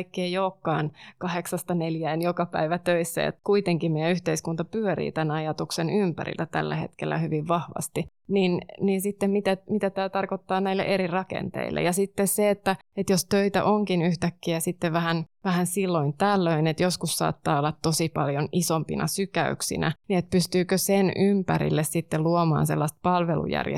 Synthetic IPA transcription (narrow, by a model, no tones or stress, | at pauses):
ikːeːjoːkːɑːnkɑheksɑst̪ɑneljæːnjokɑpæ̰iʋæt̪øisːæ̰ḛt̪kuit̪eŋkimmiɛyht̪eiskunt̪ɑpyøɾḭːt̪ænɑjɑt̪uksenympæ̰ɾḭlːæt̪æ̰lːæ̰hḛt̪kḛlːæ̰hyʋiʋʋɑhʋɑ̰st̪i | ninninsit̪ːemmit̪æmit̪æt̪æːt̪ɑrkot̪ːɑːnæilːḛʔeɾirɑkḛnt̪ḛilːʔḛjɑsit̪ːesseet̪ːæ | et̪jost̪øit̪æ̰ʔoŋkinyht̪ækːiæsit̪ːeʋʋæhænʋæhænsilːoint̪ælːøinet̪joskussɑ̰ːt̪ːɑːolːɑt̪t̪osipɑljonisompinʔɑ̰sykæ̰yksḭnæ̰niet̪̚pyst̪yːkøsenympæɾḭlːessit̪ːeluomɑ̰ːnsḛlːɑst̪̚pɑlʋelṵjæ̰rj̰